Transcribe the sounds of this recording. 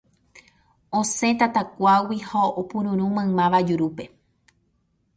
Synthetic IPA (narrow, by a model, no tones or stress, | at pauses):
õsẽ̞t̪at̪akʷawihaopũɾũɾ̃ũmãmãʋad͡ʒuɾupe̞